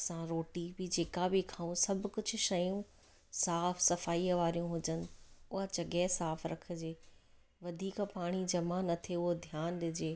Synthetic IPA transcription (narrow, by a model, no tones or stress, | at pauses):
sãɾoːʈibɪd͡ʑeːkabɪkʰãːũsɐbʱʊkʊd͡ʑʱʊ̆ʃɐjũ | saːfsɐfaːiːʋaːɾijũɦʊd͡ʑənɪ̆ʊɦat͡ɕɐɡesaːfɾɐkʰə̆d͡ʑeː | ʋɐd̪ʱiːkpaːɽ̃id͡ʑɐmanɐt̪ʰeʊɦod̪ʱjaːnɗɪd͡ʑeː